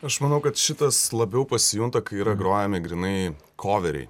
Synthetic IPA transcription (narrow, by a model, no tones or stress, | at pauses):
ɐʃmɐnɐʊkɐt̪ʃʲɪt̪ɐslˠɐbʲɛʊpɐsʲɪjʊŋt̪ɐkɐɪiːɾɐɡɾoːjɛmʲɪɡɾʲɪnɐɪ | kʰoːʋʲɛɾʲɛ̰ɪ